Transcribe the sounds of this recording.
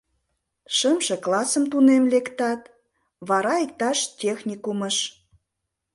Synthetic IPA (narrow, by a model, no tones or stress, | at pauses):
ʃəmʃĕklɑsəmt̪unemlekt̪ɑt̪ | βɑɾɑik̚t̪ɑʃtʲexnʲikuməʃ